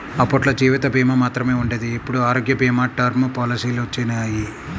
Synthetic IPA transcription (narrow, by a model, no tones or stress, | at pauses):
ɐpːɐʈlɐd͡ʒiːʋit̪ɐbʱiːmɐmaːt̪ɾɐme̞ːuɳɖed̪iepːuɽuaːɾoːɡjɐbʱiːmaːʈːɐɾmupɔːlisiːlt͡ʃːenaːji